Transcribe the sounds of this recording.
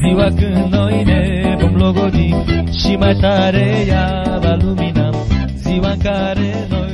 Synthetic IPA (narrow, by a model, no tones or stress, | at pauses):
ziwakɨnɔjne | bɔmloɡod̪iʃimajt̪aɾeja | baluminam | ziwaŋkaɾe | nɔ